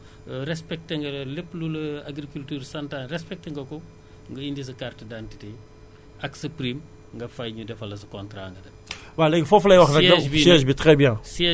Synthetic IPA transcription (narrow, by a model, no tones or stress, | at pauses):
ɾɛspɛk̚teŋɡɐlɐlepːlulɐaɡɾikultyːɾsɐntanrɛspɛk̚teŋɡɐkɔ | ŋɡɐindis̬ɐkartɐdantite | ʔɐksɐpɾim | ŋɡɐfɐjɲudɛfɐlɐs̬ɐkɔntɾaːŋɡɐdɐ | walɛɡfɔflɐjwɐxnɐkɐbiɛsbitɾɛbjɛŋsɛ